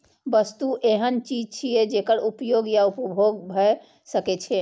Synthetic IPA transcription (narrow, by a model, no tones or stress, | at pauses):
bəst̪uʔeɦənt͡ʃid͡ʒt͡ʃʰijed͡ʒekəɾupjoɡjaupɔbʱoɡbʱɔe | səket͡ʃʰe